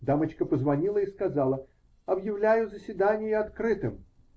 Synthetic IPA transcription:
d̪amət͡ɕkəpəzvɐnʲilˠəiskɐzalˠə | ɐbjɪvlʲæjʊzəsʲvʲɪd̪anʲɪjʊɐt̪kɾɨt̪ɨm

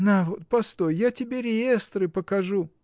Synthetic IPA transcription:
navot̪̚pɐst̪o̞jjatʲɪbʲeɾʲɪjest̪ɾɨpəkɐʐu

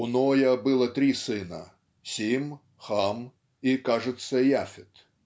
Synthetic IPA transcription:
ʊnojɐbɨlˠɐt̪ɾʲisɨnə̰ | sʲim | xam | ikaʐɨt̪səjafʲɪt̪

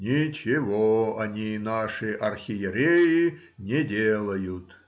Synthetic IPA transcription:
nʲit͡ɕɪvoɐnʲinaʂɨʔɐrxʲɪjɪɾʲejɪ | nʲedʲelˠəjʊt̪

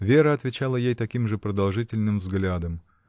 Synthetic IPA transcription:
vʲeɾəɐt̪vʲɪt͡ɕalˠəjejt̪ɐkʲimʐɨpɾəd̪ɐlˠʐɨtʲɪlʲnɨmvzɡlʲad̪əm

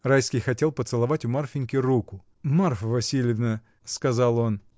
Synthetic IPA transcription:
rajskʲɪjxɐtʲe̞lˠpət̪sɨlˠɐvatʲʊmarfʲɪnʲkʲɪrukʊ | marfvɐsʲilʲɪvnə | skɐzalˠo̞n

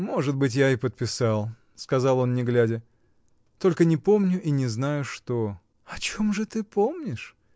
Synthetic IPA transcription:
mo̞ʐɨt̪̚bɨt̬ʲjaɪpət̪̚pʲɪsɑlˠ | skɐzɑlˠo̞nnʲɪɡlʲædʲɪ | t̪o̞lʲkənʲɪpo̞mnʲʊʔinʲɪznajʊʂt̪o̞ | ɐt͡ɕomʐɨt̪ɨpomnʲɪʂ

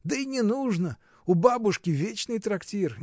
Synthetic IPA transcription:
d̪əinʲɪnuʐnə | ʊbabʊʂkʲɪvʲet͡ɕnɨjt̪ɾɐktʲir

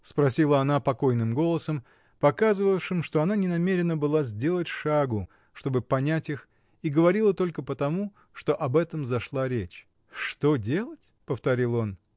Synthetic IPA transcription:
spɾɐsʲilˠəɐnapɐko̞jnɨmɡo̞lˠəsəm | pɐkazɨvəjʂɨmʂt̪oɐnanʲɪnɐmʲeɾʲɪnəbɨlˠazʲdʲe̞lˠətʲʂaɡʊ | ʂt̪o̞bɨpɐnʲætʲix | iɡəvɐɾʲilˠət̪o̞lʲkəpət̪ɐmu | ʂt̪o̞ʔɐbɛt̪əmzɐʂlˠaɾʲet͡ɕ | ʂt̪o̞dʲe̞lˠətʲpəft̪ɐɾʲilˠo̞n

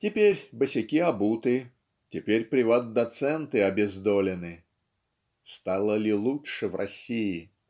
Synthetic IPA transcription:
tʲɪpʲeɾʲbəsʲɪkʲiɐbut̪ɨ | tʲɪpʲeɾʲpɾʲɪvat̪̚d̪ɐt̪sɛnt̪ɨɐbʲɪzd̪olʲɪnɨ | st̪alˠəlʲɪlˠuʂɨvrʔɐ̰sʲijɪ

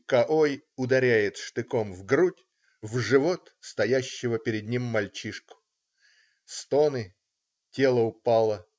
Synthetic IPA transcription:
kɐʔojʊd̪ɐɾʲæjɪt̪ʂt̪ɨkomvɡɾutʲ | vʐɨvo̞t̪ | st̪ɐjæɕːɪvəpʲɪɾʲɪd̪ʲnʲimːɐlʲt͡ɕiʂkʊ̥ | st̪onɨ | tʲe̞lˠəʊpɑlˠə

